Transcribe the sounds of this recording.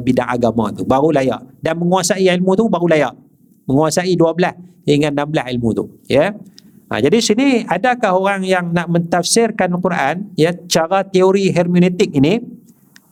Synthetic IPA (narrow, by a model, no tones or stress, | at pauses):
bidaŋa̰ɡama̰t̪ubaɾulaja̰ʔdanməŋuasaiilmut̪ubaɣulajaʔ | məŋuasaiduabəlasiŋãnːambəla̰ɦilmut̪ṵjə | a̰d͡ʒadisiniadakaɦoɾaŋjaŋnaʔmə̃nt̪afsɪrkanlkuɾaʔanjət͡ʃaɾat̪eoɾiɦɛrmunet̪ɪk̚ini